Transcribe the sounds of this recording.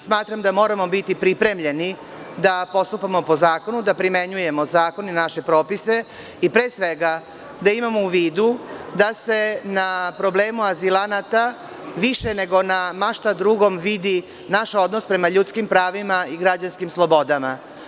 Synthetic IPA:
smaːt̪ɾamd̪amo̞ːɾamo̞bit̪ipɾipɾe̞mʎe̞ni | d̪apo̞st̪upamo̞pozaːko̞nud̪apɾime̞ɲuje̞mo̞zaːko̞ninaʃe̞pɾo̞ːpise̞ | ipɾe̞ːsʋe̞ɡa | d̪aimamouʋiːd̪ud̪ase̞napɾo̞bleːmuazilˠanat̪a | ʋiʃene̞ɡo̞namaʃt̪ad̪ɾuɡo̞mʋid̪i | naʃo̞d̪nospɾe̞maʎut̪skimpɾaːʋimaiɡɾad͡ʑanskimslˠo̞bo̞d̪ama

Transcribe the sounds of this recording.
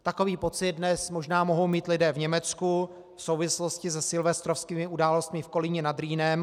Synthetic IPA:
t̪ako̞viːpo̞t͡sɪt̪̚dnɛsmoʒnaːmo̞ɦo̞wmiːt̪lɪdɛːvɲɛmɛt͡sku | fsowvɪsloscɪsɛsɪlvɛst̪ɾofskiːmɪʔudaːlost̪mɪfko̞lɪɲɛnad̪ɾiːnɛm

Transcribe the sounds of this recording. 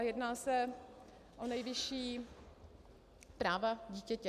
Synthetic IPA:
jɛdnaːsɛ | ʔonɛjvɪʃiː | pɾaːvaɟiːcɛcɛ

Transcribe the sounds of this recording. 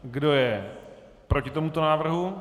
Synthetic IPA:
ɡdo̞jɛ | pɾocɪt̪o̞mut̪onaːvr̩ɦu

